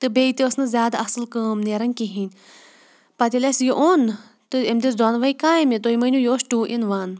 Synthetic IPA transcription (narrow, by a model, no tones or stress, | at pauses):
t̪ɨbeit̪iɐsnɨzʲjaːd̪aɐsɨlkəːmneːɾɐnʲkiɦinʲ | pɐt̪ʲilʲɐsjiʔoːn | t̪ɨemd̪isd̪oːnʋɐjkaːmit̪ojmɐnʲujoːsʈuːʔinʋaːn